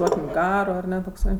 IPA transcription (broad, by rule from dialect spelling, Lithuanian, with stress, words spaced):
ˈduɔkʲɪm ˈɡɑːroː ɐˈnʲɛ toːkˈsɐɪ